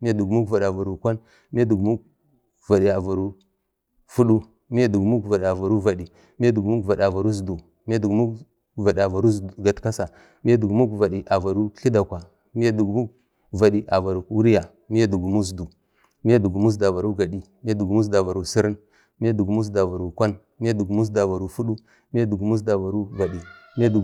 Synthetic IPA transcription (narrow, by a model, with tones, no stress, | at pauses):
mi˦a˦du˨ɡmu˦ɡva˨ɗa˨va˨ɾu˨kʷa˦n | mi˦a˦du˨ɡmu˦ | va˨ɗi˨a˨va˨ɾu˦ | fu˦ɗu˦ | mi˦ja˦du˨ɡmu˦kva˨ɗi˨a˨va˨ɾu˦va˨ɗi˨ | mi˦ja˦du˨ɡmu˦ɡva˨da˨va˨ɾu˦zdu˨ | mi˦ja˦du˨ɡmu˦ | va˨ɗa˨va˨ɾu˦zdɡa˨tka˦sa˨ | mi˦ja˦du˨ɡmu˦ɡva˨ɗi˨ʔa˨va˨ɾu˦ɬi˦da˨kʷa˨ | mi˦ja˦du˨ɡmu˦ɡ | va˨ɗi˨ʔa˨va˨ɾu˨ku˦ɾi˦ja˨ | mi˦ja˦du˨ɡu˨mu˦zdu˨ | mi˦a˦du˨ɡu˨mu˦s̬da˨va˨ɾu˦ɡa˨di˦ | mi˦ja˦du˨ɡmu˦s̬da˨va˨ɾu˨si˦ɾi˦ | mi˦ja˦du˨ɡmu˦s̬da˨va˨ɾu˨kʷa˦n | mi˦ja˦du˨ɡmu˦s̬da˨va˨ɾu˨˦fu˦ɗu˦ | mi˦ja˦du˨ɡmu˦s̬da˨va˨ɾu˦va˨di˨mi˦ja˦du˨